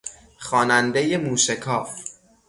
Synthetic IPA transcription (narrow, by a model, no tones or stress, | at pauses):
xɒːnænd̪eje̞muːʃekʰɒːf